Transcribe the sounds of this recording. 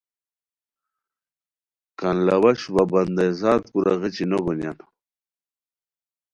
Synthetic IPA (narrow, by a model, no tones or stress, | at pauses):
kanlɐwɐɕbabɐnd̪azaːt̪kuɾɐɣet͡ɕinoɡonjan